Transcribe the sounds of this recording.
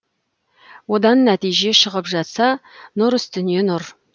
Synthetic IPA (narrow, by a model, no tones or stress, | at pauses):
wo̞d̪ɑnːæt̪ijʒe̞ʃəʁəpʒɑt̪sɑnʊɾʏst̪ʏnije̞nʊɾ